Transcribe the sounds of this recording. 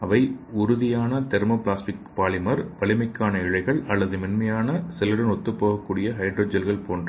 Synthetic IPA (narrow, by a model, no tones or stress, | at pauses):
ɐʋɐɪʊɾʊðɪjaːnɐt̪ɛɾmoplaːsʈɪkpaːlɪmɐɾpɐlɪmɐɪkːaːnɐɪɻɐɪɣɐɭʔɐlːɐðɯmɪnmɐjaːnɐsɛlɯɽɐnɔt̪ːɯpːoːɣɐkːuːɽɪjɐɦɐɪɖroːd͡ʒɐlɣɐɭpoːndrɐ